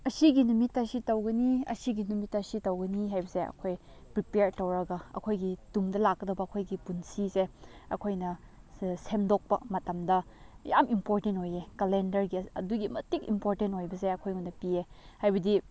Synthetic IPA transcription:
ɐsiɡinumitːɐsitɐwɡɐniɐ̰siɡinumitːɐsitɐwɡɐniɦajbɐseɐ̰kʰoj | pɾipeɾtowɾɐɡɐɐ̰kʰojɡitumdɐlak̚ːɐdɐwbɐɐkʰojɡipunsiseɐkʰojnɐ | sʰemdok̚pɐ̰mɐtɐmdɐja̰mimpoɾtentojekɐlendɐɾɡiɐ̰duɡimɐtikḭmpoɾtentojbɐseɐkʰojunːɐpiehajbɐdi

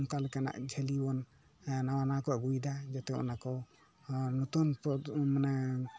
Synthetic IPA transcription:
mkalɛkana̰ʔd͡ʒʱɛlibɔn | nawanakɔɡujd̪ad͡ʒat̪ɛɔ̰nakɔ | nɔt̪unpɔmana

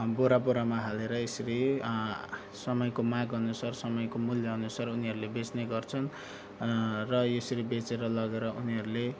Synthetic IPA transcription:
boɾaboɾamaɦaleɾʌesʌɾi | sʌmʌjkomaɡɦʌnusarsʌmʌjkomuljʌɦʌnusaruniɦʌɾulebet͡sneɡʌrt͡sʰʌn | rʌjesʌɾibet͡seɾʌlʌɡeɾʌuniɦʌɾule

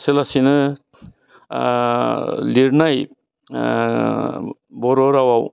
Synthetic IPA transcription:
selasinɯ | liɾnaj | bɔɾɔɾawaw

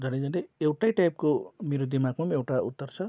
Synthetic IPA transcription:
d͡zʌned͡zʌneewʈajʈajp̚komeɾod̪imaɡmamewʈaṵt̪ːʌrt͡sʰʌ

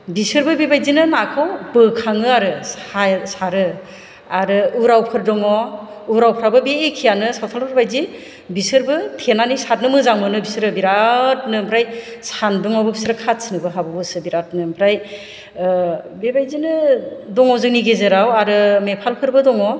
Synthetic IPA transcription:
bisɯɾbɯbibajzinɯnakʰɔwbɯkʰaŋɯaɾɯasaɾɯ | aɾɯuɾawpʰɯɾdɔŋɔ | uɾawpʰɾabɯbeːkʰijanɯsawtʰalpʰɯɾbajzi | bisɯɾbɯtʰenanisat̚nɯmɯzaŋmɯnɯbisɾɯbiɾat̚nɯmpʰɾajsandɔŋɔbɯbisɾɯkʰat̚sɯnɯbɯɦabɯbɯsɯbiɾat̚nɯmpʰɾaj | bebajzinɯdɔŋɔzɯŋniɡezɯɾawaɾɯmepʰalpʰɯɾbɯdɔŋɔ

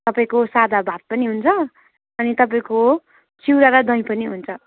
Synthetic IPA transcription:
t̪ʌpaĩkosad̪ʱabʱat̪̚pʌniɦunt͡sʰʌ | ʌnit̪ʌpaĩko | t͡siwɾaɾad̪ʱʌ̃j̃pʌniɦunt͡sʰʌ

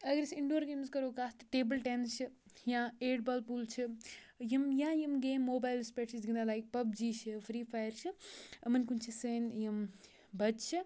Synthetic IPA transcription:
ɐɡɐɾisɪ̃ɳɖoːɾɡeːmzkɐɾoːkaːst̪ɐ̥ʈeːbəlʈẽnst͡ʃʰɨ | jãeːɖbaːlpuːlt͡ʃʰɨjɐmjãːjɐmɡeːmːoːbaːɪlspeːʈt͡ʃʰid̪ɪiknd̪alaːik̚pɐb̚d͡ʒiːʃʰɨfɾiːfaːjəɾt͡ʃʰɨɐmɐnkunt͡ʃʰiseːnjɐm | bɐd͡ʒt͡ʃʰi

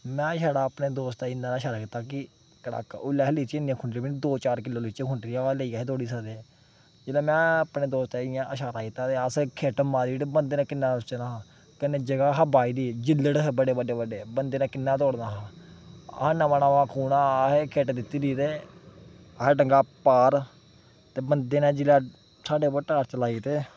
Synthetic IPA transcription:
mɛ̃ːʃaːɽaːəpneːd̪oːst̪ːɪnaːnaːʃaːɾaːkiːt̪ːaːkɪ | kəɽa̰ːkʊlːɛːɦəliːt͡ʃːɪnãːkʰʊɳɖɾiːbinid̪oːt͡ʃaːɾkɪloːliːt͡ʃeːkʰʊɳɖɾiːaːaleiːaːɦeːt̪ʰoːɽiːsəd̪eːɛ | d͡ʒɪːlãːmɛ̃ːəpneːd̪oːst̪ɛːɪjãːʔəʃaːɾaːkɪt̪ːaːt̪eːəskʰeːʈəmːãːd̪iːʈebənd̪eːnãːkɪnːãːʊsenaːɦãː | kəneːd͡ʒəɡaːɦəbaːiːd̪iːd͡ʒɪlːəɽɦbəɽeːbəɖeːbəɖeːbənd̪eːnãːkɪnːãːt̪oːɽnaːɦã̰ː | ɦnãːmənãːʋãːkʰuːnaːɦeːkʰeːʈːd̪ɪt̪ːiːd̪iːt̪eː | əɦɖəŋɡaːpaːɾ | t̪eːbənd̪eːnãːd͡ʒɪlaː | saːɖeːpəʈaːɾt͡ʃəlaːiːt̪eː

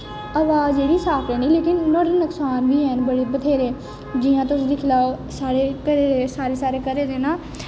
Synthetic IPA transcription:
əːʋaːzeːɽiːsaːpʰɛːnĩːleːkɪnːɔːɽənəksaːnʋiːɦɛnbəɽeːpət̪ʰeːɾeː | d͡ʒiːãːt̪ʊsd̪iːkʰɪlaːosaːɾeːkəɾeːɾeːsaːɾeːsaːɾeːkəɾeːdeːnãː

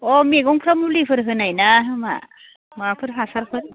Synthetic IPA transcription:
ɔmiɡɔŋpʰɾamulipʰɯɾɦɯnajnaɦɯma̰ | mapʰɯɾpʰasaɾpʰɯ

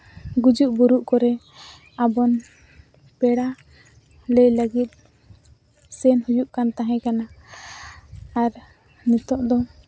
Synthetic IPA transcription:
ɡud͡ʒuʔbuɾuʔkɔɾɛ | abɔn | pɛɽa | lɛjləɡit̪̚ˀ | sɛnhujuʔkant̪aɦɛ̃kana | ɾ | nɛt̪ɔʔd̪ɔ

